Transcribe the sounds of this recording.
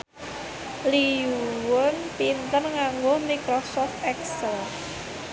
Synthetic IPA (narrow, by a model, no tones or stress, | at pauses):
liuwʊnpint̪ənŋaŋɡohmikɾɔsɔft̪ɛksəl